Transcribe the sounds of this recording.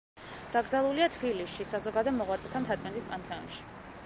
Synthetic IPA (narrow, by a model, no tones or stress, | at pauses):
d̪̥aɡɾzalˠuliat̪ʰbiliʃisazɔɡad̪ɛmɔʁwat̪sʼɛt̪ʰamt̪ʰat̪ʼɛnt̪ʼispʼant̪ʰɛɔ̰nʃi̥